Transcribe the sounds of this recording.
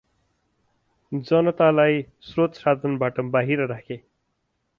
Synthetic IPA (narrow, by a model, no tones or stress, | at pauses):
d͡zʌnʌt̪alaj | srot̪sad̪ʱʌnbaʈʌbaɦiɾʌɾakʰe